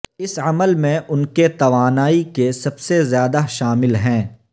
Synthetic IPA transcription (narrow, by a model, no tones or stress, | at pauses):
ɪsɐməlmẽʔʊnket̪ɐʋaːnaːikesɐbsezjaːd̪aʃaːmɪlɦɛ̃ː